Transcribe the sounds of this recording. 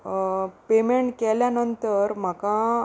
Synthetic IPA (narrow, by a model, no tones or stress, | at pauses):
pemeɳʈkɛljanənt̪əɾm̤aka